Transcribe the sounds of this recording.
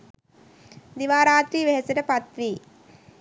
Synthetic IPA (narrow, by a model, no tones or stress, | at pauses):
d̪iʋaːɾaːt̪ɾiːʋeɦɐsɐɾɐpɐt̪ʋi